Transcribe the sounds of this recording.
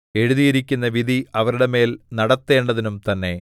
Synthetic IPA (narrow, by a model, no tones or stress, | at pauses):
e̞ɻuðijiɾikʲːunːɐʋid̪ʱiɐʋɐɾuɽe̞me̞ːlnɐɽɐt̪ːe̞ːɳɖɐðinumt̪ɐnːe̞